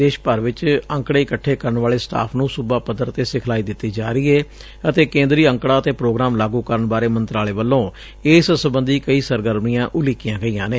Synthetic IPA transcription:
d̪eːʃpəɾʋɪt͡ʃə̃ŋkɽeːɪkəʈʰːeːkəɾəɳʋaːɭeːsʈa̰ːpʰnũːsʊbaːpəd̪əɾt̪eːsɪkʰlaːiːd̪ɪt̪ːiːd͡ʒaːɾiːɛː | ət̪eːkẽːnd̪ɾiːəŋkɽaːət̪eːpɾoːɡɾaːmlaːɡuːkəɾəɳbaːɾeːmənt̪ɾaːleːʋəlːõː | eːssəbənd̪iːkəiːsəɾɡəɾmijãːʔʊlɪkɪjãːɡəijãːneː

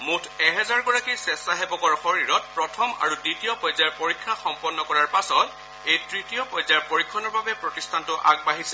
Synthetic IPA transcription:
mutʰɛɦɛzaɹɡɔɹakisɛsaɦɛbɔkɔɹxɔɹiɹɔt̚pɹɔtʰɔma̰ɹuditijɔpɔjzaɹpoɹikʰːaxɔmpɔnːɔkɔɹaɹpasɔt | ejtɹitiɔpɔjzaɹpoɹikʰːɔnɔɹbabɛpɹɔtistʰantʊʔaɡ̚baɦisɛ

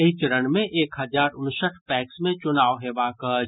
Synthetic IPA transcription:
et͡ʃɾənmẽʔeːkɦɐzaːɾʊnsət̪ʰpɛːksmẽt͡ʃʊnaːoɦɛbaːkə

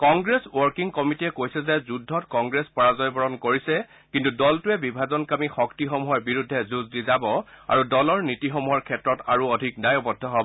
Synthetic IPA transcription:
kɔŋɡɹeswɔɹkiŋkɔmitiɛkojsɛzɛzudʱːɔtkɔŋɡɹespɔɹazɔjbɔɹɔnkoɹisɛ | kintudɔltʊɛbibʱazɔnkamixɔktixɔmuɦɔɹbiɹudʱːɛzuzdizabɔa̰ɹudɔlɔɹnitixɔmuɦɔɹkʰɛtɹɔtaɹuɔdʱik̚dajɔbɔdʱːɔɦɔb

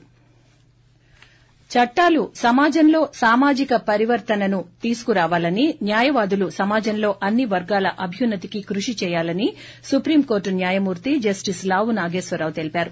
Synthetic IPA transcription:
t͡ʃɐʈːaːlusɐmaːd͡ʒɐnlo̞ːsaːmaːd͡ʒikɐpɐɾiʋɐɾt̪ɐnɐnut̪iːsu̥kuɾaːʋaːlɐninjaːjɐʋaːd̪ulusɐmaːd͡ʒɐnlo̞ːʔɐnːiʋɐɾɡaːlɐʔɐbʱjunːɐt̪ikikɾuʂit͡ʃɛːjaːlɐni | supɾiːmko̞ːɾʈunjaːjɐmuːɾt̪id͡ʒɐsʈislaːʋunaːɡe̞ːsʋɐɾaːʋut̪e̞lipaːɾu

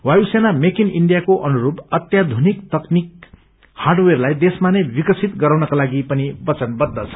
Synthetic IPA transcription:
wajusenamekiniɳɖijakoʔʌnuɾubʌt̪jad̪ʱunikt̪ʌknik | harɖwerlajd̪esmanebikʌsʰit̪ɡʌɾawnʌkolaɡipʌnibʌt͡sʌnbʌd̪ːʌt͡sʰʌ̥

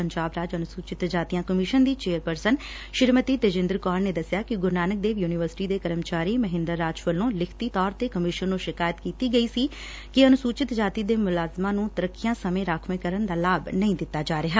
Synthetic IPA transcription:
əɲd͡ʒaːbɾaːd͡ʒənʊsuːt͡ʃɪt̪d͡ʒaːt̪ijãːkəmɪʃənd̪iːt͡ʃeːəɾpəɾsən | ʃɪɾmət̪iːt̪eːd͡ʒɪ̃nd̪əɾkaːɾneːd̪əsɪjaːkɪɡʊɾnaːnək̚d̪eːʋjuːnɪʋəɾsɪ̥ʈiːd̪eːkəɾəmt͡ʃaːɾiːməɦɪ̃nd̪əɾːaːd͡ʒpəlːõːlɪkʰt̪iːt̪ɔːɾt̪eːkəmɪʃənːũːʃɪkaːjət̪kiːt̪iːɡəiːsiː | kɪənʊsuːt͡ʃɪt̪d͡ʒaːt̪iːd̪eːmʊlaːzmãːnũːt̪əɾəkːɪjãːsəmẽːɾaːkʰʋẽːkəɾənd̪aːlaːbnəĩd̪ɪt̪ːaːd͡ʒaːɾɪɦaː

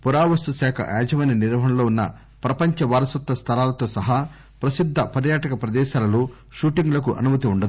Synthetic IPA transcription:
puɾaːʋɐst̪uʃɛːkʰɐ̰ʔa̰ːd͡ʒɐmɐjnɐniɾɦɐnɐlo̞ːunːɐ̰ | pɾɐpɐɲt͡ʃɐʋaːɾɐsut̪ːɐst̪ʰɐlaːlɐt̪o̞ːsɐɦɐ | pɾɐsid̪ʱːɐpɐɾjaːʈɐkɐpɾɐd̪ɛːʃaːlɐloː | ʃuːʈiŋɡlɐk̬uʔɐ̰numɐt̪iuɳɖɐd̪u

